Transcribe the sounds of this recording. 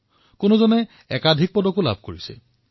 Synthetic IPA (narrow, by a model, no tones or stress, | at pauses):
konozɔnɛ | ɛkadʱik̚pɔdɔkula̰bʱkoɹisɛ̰